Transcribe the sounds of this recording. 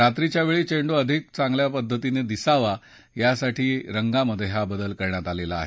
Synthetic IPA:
ɾat̪ɾit͡ɕjaʋeɭiːt͡ɕeɳɖoəd̪ʱik̚t͡sãŋɡljapəd̪ʱːət̪ined̪isaʋa | jasaʈʰiːɾəŋɡaməd̪ʱjeɦabəd̪əlkəɾɳjat̪alelaːɦe

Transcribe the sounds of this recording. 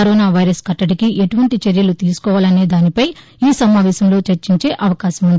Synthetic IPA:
ɐɾoːnaːʋɐjɾɐskɐʈːɐʈikiʔeʈuʋɐɳʈit͡ʃeɾjɐlut̪iːsu̥kɔːʋaːlɐne̞ːd̪aːnipɐj | iːsɐmaːʋɛːʃɐmlo̞ːt͡ʃeɾt͡ʃiɲt͡ʃe̞ːʔɐʋɐkaːʃɐmund̪ii

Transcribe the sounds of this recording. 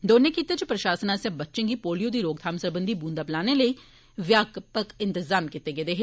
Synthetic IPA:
d̪oːnekit̪et͡ʃpɾɐʃaːsənãsẽbətːʃɪ̃ɡipoːlijõd̪iːɾoːɡ̚t̪ʰaːmsəɾbə̃nd̪ibuːnd̪aːplaːneləi | ʋjaːkpəkɪ̃nt̪ɪzaːmkɪt̪ːeɡeːd̪eːɦ

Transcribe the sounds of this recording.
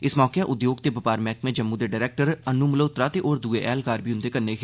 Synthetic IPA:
ɪsmɔːkeaʔʊd̪joːɡ̚t̪ebɐpaːɾmɛ̃ːkmẽd͡ʒəmːud̪eɖaːɾeːk̚ʈəɾənːumloːt̪ɾat̪eʔoːɾd̪uːeʔɛːlkaːɾbʱiʊnd̪ekɐɾneke

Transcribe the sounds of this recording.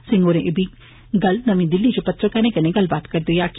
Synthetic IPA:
sɪ̃ŋɡoːɾẽʔɪbiː | ɡɐlnəʋĩːd̪ɪlːid͡ʒopɐt̪ːɾokɛnẽːkənẽːɡɐlbaːt̪kəɾd̪ejaːk

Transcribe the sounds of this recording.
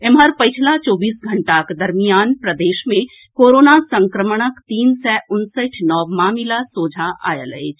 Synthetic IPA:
emɦəɾpɐt͡ʃʰlat͡ʃɔːbiːsɡʱɐɳʈakd̪ɐɾmijaːnpɾəd̪eːʃmẽ | koːɾoːnasə̃ŋkɾəməɽ̃əkt̪iːnsɛʔʊnsəʈʰnɔːʋmaːmɪlasoːd͡ʒʱaʔa̰ːjə̰ləḛːt͡ʃʰ

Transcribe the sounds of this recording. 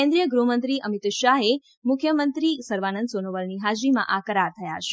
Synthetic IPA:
kẽnd̪ɾijəɡɾumənt̪ɾiʔəmit̪ʃaɦe | mʊkʰjəmənt̪ɾisəɾʋanənsonoʋəlniɦad͡ʒɾimã̰ʔakəɾaɾt̪ʰəja̰t͡ʃʰe

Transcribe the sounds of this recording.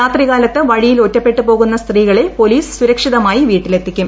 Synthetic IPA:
aːt̪riɣaːlɐt̪ːɨʋɐɻijilo̞tːɐpːe̞ʈːɨpo̞ːɣunːɐst̪riːɣɐɭe̞po̞liːsɨ̥suɾɐkʂiðɐmaːjiʋiːʈːile̞t̪ʰːikʲːum

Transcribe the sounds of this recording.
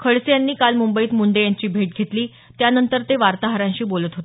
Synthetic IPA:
kʰəɭsejanːiːkalmumbəiːt̪muɳɖejaɲt͡ɕiːbʱeʈ̚ɡʱet̪liː | t̪janənt̪əɾt̪eʋaɾt̪aɦəɾãɲɕiːbolət̪ɦot̪

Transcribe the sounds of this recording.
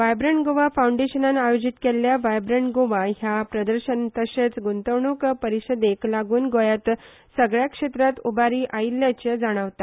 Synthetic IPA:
ʋajbɾeɳɡoʋafawɳɖeɕənanajod͡ʑit̪kelːjaʋajbɾeɳʈɡoʋaɦjapɾəd̪əɾɕənt̪əɕet͡sɡunt̪əʋɳukpəɾiɕəd̪eklaɡuːnɡojat̪ | səɡɭjakʂet̪ɾat̪ubaɾiːʔailːjat͡ɕed͡zaɽ̃əʋt̪a

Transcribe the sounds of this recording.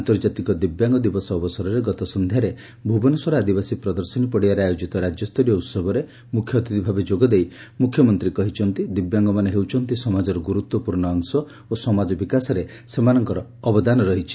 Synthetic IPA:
ant̪ɔɾd͡ʒat̪ikɔd̪ibjaŋɡɔd̪ibɔsɔːbɔsɔɾɔɾeɡɔt̪ɔsɔnd̪ʱjaɾe | bʱubɔnɔswaɾɔad̪ibasipɾɔd̪ɔɾsɔnipɔɽiaɾeajod͡ʒit̪ɔɾad͡ʒjɔst̪ɔɾijɔut̪sɔbɔɾe | mukʰjɔt̪id̪ibʱabed͡ʒoɡɔd̪ej | mukʰːjɔmɔnt̪ɾikɔɦit͡ʃʰɔnt̪id̪ibjaŋɡɔmaneɦewt͡ʃʰɔnt̪isɔmad͡ʒɔɾɔɡuɾut̪wɔpuɾɳɔːŋsɔ | osɔmad͡ʒɔbikasɔɾe | semanɔŋkɔɾɔːbɔd̪anɔɾɔɦit͡ʃʰi̥

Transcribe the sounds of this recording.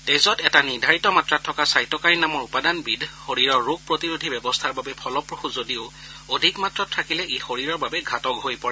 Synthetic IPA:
tejzɔtɛtaniɹdʱaɹitɔmatɹatʰːɔkasajtɔkaɹinamɔɹupadanbidʱxoɹiɹɔɹːoɡ̚pɹotiɹudʱibɛbɔstʰaɹbabɛpʰɔlɔpɹoxuzodiʊ | odʱikmatɹɔtʰɹakilɛʔexoɹiɹɔɹbabɛɡʱatɔkɦojpɔɹɛ

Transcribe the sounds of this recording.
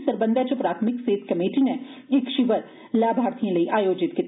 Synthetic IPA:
sɐɾbə̃nd̪ʱat͡ʃɐpɾaːt̪ʰmɪkseːt̪ʰkɐmeːʈineɪkʃiʋəɾ | laːbʱaːɾt̪ʰijẽlɐiʔaːjoːd͡ʒɪt̪ki

